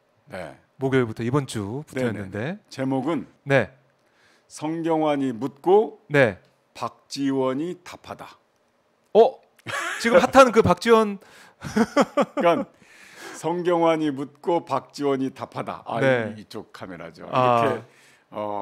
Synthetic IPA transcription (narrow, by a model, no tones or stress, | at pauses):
ne̞̰ | moɡjʌbutʰʌibʌnt͡ɕ͈upu̥tʰːʌɦennːɯnde̞t͡ɕe̞moɡɯn | ne̞ | sʰʌŋɡjʌŋwaɲimut̚k͈one̞ | pak̚t͡ɕ͈iwʌɲitapʰada | ʌ | t͡ɕiɡɯmpʰatʰanɯnkɯpak̚t͡ɕ͈iwʌn | kan | sʰʌŋɡjʌŋwaɲimut̚k͈opak̚t͡ɕ͈iwʌɲitapʰada̰ʔa̰ne̞it͡ɕ͈ok̚kʰameɾa̰d͡ʑo̰ake | ʌ